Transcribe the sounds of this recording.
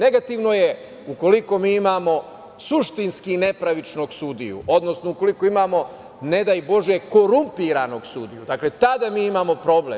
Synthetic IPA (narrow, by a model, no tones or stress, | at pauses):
ne̞ɡat̪iʋno̞je | uko̞liko̞miːimaːmo̞ | suʃt̪inskine̞pɾaʋit͡ʃno̞ɡsud̪ḭjṵʔo̞d̪no̞snouko̞likoimaːmo̞ | ne̞d̪ajbo̞ʒje̞ko̞ɾumpiɾano̞ɡsud̪ijud̪aːkle̞t̪ad̪amiːimamo̞pɾo̞bleː